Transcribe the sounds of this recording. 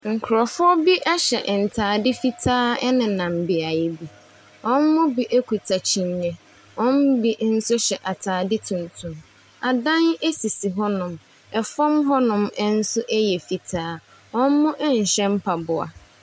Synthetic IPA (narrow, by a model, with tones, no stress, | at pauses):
ŋ̩˨kʰʊ˨ɾɔ˨fʊ˦ɔ˦bi˦ʔɛ˦ɕɛ˨ʔn̩˨tʰaː˨dɪ˦fi˦tʰaː˦ɛ˦nɪ̃˨nã˨m̩˨bɪ˨a˨jɛ˨bi˨ | ɔ̃˦n˦mʊ̃˦bi˦ʔe˦kʰu˨tʰa˨t͡ɕʰi˨n˦ɲɛ̃˦ | ɔ̃˦m̩˦bi˦n̩˦sʊ˦ɕɛ˨ʔa˨tʰaː˨dɪ˦tʰũ˨n˨tʰʊ̃˨m | a˨dã˦ne˦si˨si˨ɦɔ˦nʊ̃˨m | ɛ˨fɔ̃˦mɦɔ˦nʊ̃˨mɛ˦n̩˦sʊ˦ʔɛ˦jɛ˨fi˨tʰaː˦ | ɔ̃˦n̩˦mʊ̃˦ʔn̩˨ɕɛ̃˦m̩˦pʰa˨bʊ˨a̰˨